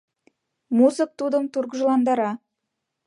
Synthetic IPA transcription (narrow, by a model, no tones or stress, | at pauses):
muzək̚t̪ud̪əmt̪urɡʒəlˠɑnd̪ɑɾɑ